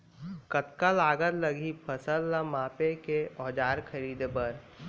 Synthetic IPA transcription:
kət̪kalaːɡəɾləɡipʰəsəlːamaːpekeɔːd͡ʒaːɾkʰəɾiːd̪ebəɾ

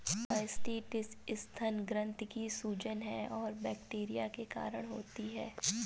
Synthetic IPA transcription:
aːɪsʈiːʈɪsɪst̪ʰɐnɡɾə̃nt̪kisuːd͡ʒənɦɛɔːɾbɛːkʈeːɾijakeka̰ːɾəɽ̃ɦo̰ːt̪iɦɛː

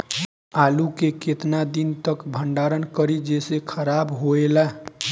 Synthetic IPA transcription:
alukeket̪nad̪int̪əkbʱəɳɖaɾənkəɾid͡ʒesekʰəɾabɦoela

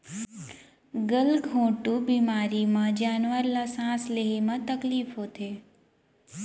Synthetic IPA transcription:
ɡəlɡʱõʈubimaɾimãd͡ʒaːnʋəɾlasãːsleɦimãt̪əkliːfɦot̪ʰe

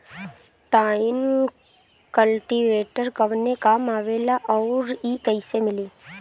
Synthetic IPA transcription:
ʈaːɪn | kəlʈiʋeːʈəɾkəʋnekaːmaːʋeːlaʔɔːɾiːkəɪsemɪliː

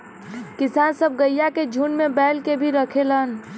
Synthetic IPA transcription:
kɪsaːnsəb̚ɡəjaked͡ʒʱunmẽbɛːlkebʱiɾəkʰelən

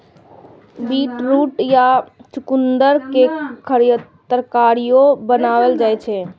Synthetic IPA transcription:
biʈɾuʈjat͡ʃukund̪əɾkekʰəɾjət̪ːɾkaɾijobənaʋəld͡ʒajt͡ʃʰɛ

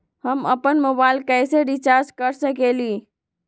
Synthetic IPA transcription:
həmə̰pənmobaɪlkəɪseɖit͡ʃaɾd͡ʒkəɾsəkeli

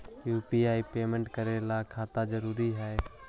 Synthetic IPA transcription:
juːpiːaːipeːmə̃ɳʈkəɾelakʰaːt̪ad͡ʒəɾuːɾiɦɛː

